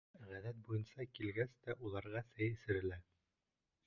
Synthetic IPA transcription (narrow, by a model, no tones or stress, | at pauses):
ʁæðæt̪̚bujɤnsɑkilɡæst̪æʔulˠɑɾʁɑsæjɘ̆sɘ̆ɾɘ̆læ